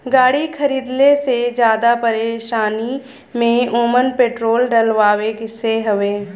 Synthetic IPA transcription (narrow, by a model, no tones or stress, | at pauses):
ɡaːɽikʰəɾiːd̪lesed͡ʒjaːd̪apəɾeːʃaːni | mẽoːmənpeːʈɾoːlɖəlʋaːʋekɪseɦɐʋeː